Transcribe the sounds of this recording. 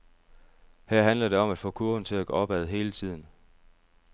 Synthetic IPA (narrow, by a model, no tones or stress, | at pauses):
hæɐ̰ɦænlɐd̥e̝ɒ̽mæd̥fɔ̰ːkʰuɐ̥n̩t͡sʰe̝læɡ̥oɒ̽b̥æð̞̩ˠɦe̝ːlət͡sʰið̞̰ˠn̩